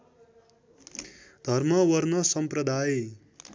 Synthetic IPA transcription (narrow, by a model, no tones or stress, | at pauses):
d̪ʱʌrmʌwʌɾnʌsʌmpɾʌd̪ʱaje